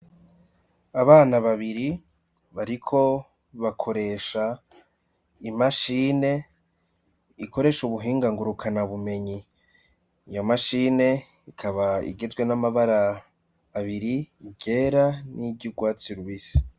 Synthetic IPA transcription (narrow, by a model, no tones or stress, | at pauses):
aβaːnaβaβiɾi | βaɾikʰo̞ | βakʰo̞ɾe̞ʃa | imaʃiːne̞ | iko̞ɾe̞ʃuβuɦiːŋɡaŋɡuɾukʰanaβume̞ɲi | ijo̞maʃiːne̞ | ikʰaβaḭɡe̞zɡwe̞namaβaɾaː | βiɾiɟe̞ːɾaniɟuɡwaːt͡siɾuβisi̥